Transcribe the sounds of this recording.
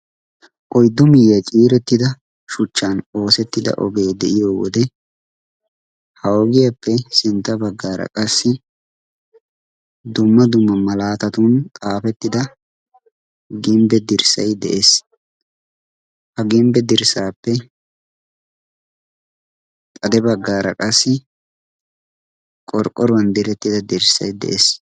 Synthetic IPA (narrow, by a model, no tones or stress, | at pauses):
ʔɔjd̪ːʊmɪjɐt͡ʃʼiːɾɛt̪ːɪd̪ɐ | ʃʊt͡ʃːano̞ːsɛt̪ːɪd̪ɐ̰ʔɔ̰ɡe̞ːd̪ɛʔɪjoːwɔ̰d̪ɛ | hɐwɔɡɪjɐpːɛsɪnt̪ːɐbɐɡːaːɾɐ̰kʼɐsːɪ | d̪ʊmːɐd̪ʊmːɐmɐlaːt̪ɐt̪ʊnt̪ʼaːfɛt̪ːɪd̪ɐ | ɡɪmbɛd̪ɪɾsɐ̰jd̪ɛʔes | hɐɡɪmbɛd̪ɪɾsaːpːɛ | t̪ʼɐd̪ɛbɐɡːaːɾɐ̰kʼɐsːɪ | kʼɔɾkʼɔɾʊwɐnd̪ɪɾɛt̪ːɪd̪ɐd̪ɪɾsɐjd̪ɛ̰ʔeːs